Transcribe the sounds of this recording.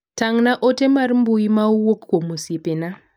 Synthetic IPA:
taŋnaʔotemaɾimbujimauwokkomusepena

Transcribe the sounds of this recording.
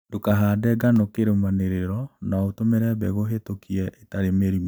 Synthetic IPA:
dokaɦadɛɡanokeɾemaneɾeɾɔnaotomeɾɛβɛɣoɦetokʰiɛetaɾemeɾim

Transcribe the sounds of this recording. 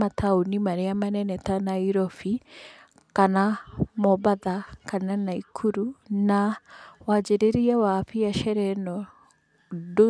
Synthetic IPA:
mat̪ʰaunimaɾeamanɛnɛtanaiɾɔfi | kanamɔbaðakananaikʰuɾunawad͡ʒeɾeɾiɛwafiaʃɛɾɛnɔ | do

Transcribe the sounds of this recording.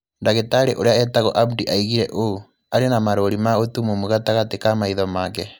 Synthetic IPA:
ndaɣetaɾḛʔoɾeaɛtaɣɔʔabdiʔaiɣiɾɛʔo | aɾenamaɾoɾimaotumomuɣataɣatekamaiðɔmakɛ

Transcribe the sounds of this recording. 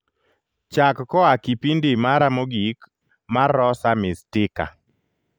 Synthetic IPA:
t͡ʃakːɔakipindimaɾamoɡik | marɔsamɪstɪka̰

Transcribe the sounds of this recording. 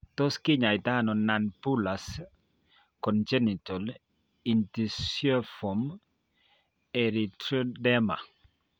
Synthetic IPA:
tɔskiɲajtanɔnanpulas | kɔnd͡ʒɛnitɔl | intisɔfɔm | ɛɾitɔdɛma̰

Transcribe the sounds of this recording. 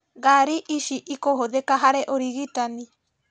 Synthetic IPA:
ɡaɾiʔiʃiʔikoɦod̪ekaɦaɾeʔoɾiɡit̪ani

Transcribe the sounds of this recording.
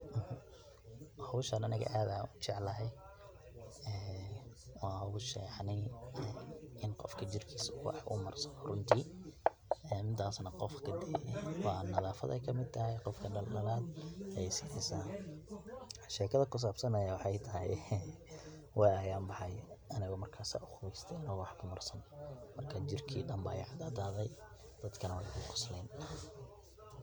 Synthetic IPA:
h | hɐwʃɐnɐnɐɣɐ̰ʔaːðnut͡ʃɛʕlɐɦɛj | ɛː | wɑːɦɐwʊʃɛːħnɪɛɪnqɔfkʰɐt͡ʃɪrkʰiːswɑ̰ħʔʊ̰mɐrsɔrʊnt̪ʰiː | ɛːmɪd̪aːsnɐqɔfkʰɐd̪ɛːwɑːnɐðaːfɐ̰ðɛ̰jkʰɐmɪd̪̚t̪ʰɐɦɛjqɔfkʰɐɖɐlːɐɾaːd̪jsɪħɪsaːn | ʃɛːkʰɐðɐkʊs̬aːb̥sɐnɐjawɑħɑjt̪ʰɐɦɛ̰j | wɑjɐjaːmbɑħɑjʔɐnɐɣɔmɐrkʰaːsa̰ːʊxʊβɛjst̪ʰɛɐnɐɣwɑħbʊmɐrsɐnmɐrkʰɐt͡ʃɪrkʰḭːɖɐmba̰ːjɛ̰ʕɑd̪ad̪aːðɛj | d̪̥ɐd̪kʰɐnɐwɛjkʰʊkʰʊ̥slɛːn

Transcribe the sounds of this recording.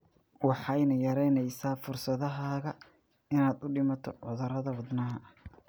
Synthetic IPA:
wɑħɑjnɐjɐɾɛjnɛjsaːfʊrsɐðɐɦaːɣɐ | ɪnaːd̪ʊɖɪmɐt̪ʰɔwɑðɐɾɐðɐwɑd̪nɐɦɐ

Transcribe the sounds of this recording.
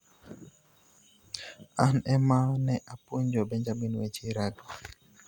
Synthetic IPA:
anɛmanɛʔapuɲd͡ʒɔbɛɲd͡ʒaminwet͡ʃiɾado

